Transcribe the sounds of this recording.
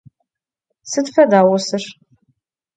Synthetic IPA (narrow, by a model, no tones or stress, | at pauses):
sɨdfɐdaːwʊsɨr